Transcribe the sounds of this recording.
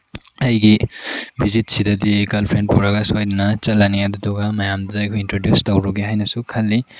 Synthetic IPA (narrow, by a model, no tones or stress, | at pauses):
ɐjɡibizit̚sidɐdiɡɐlpʰɾenpuɾɐɡɐsajdinɐt͡ʃɐlaniadudɔɡamɐjamdadajkʰuintɾodjustɐwɾuɡeɦajnɐsukʰɐlːi